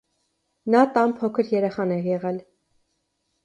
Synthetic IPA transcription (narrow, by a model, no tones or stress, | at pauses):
nɑt̪ɑmpʰɔkʰəɾjɛɾɛχɑnɛjɛʁɛl